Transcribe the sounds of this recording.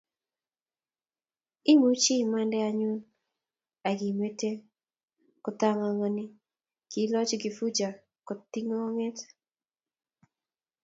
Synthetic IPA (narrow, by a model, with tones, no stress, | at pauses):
ɪ˦mu˦t͡ʃi˦ma˦ndɛ˦a˨ɲʊ˦n | a˨ɡi˨me˦te˦ | kɔ˨t̪a˨ŋa˨ŋɔ˨nɪ˦ | ki˨˦lɔ˦t͡ʃɡi˨fu˦d͡ʒa˨ | kɔ˨t̪i˦ŋɔ˦ŋɛ˦t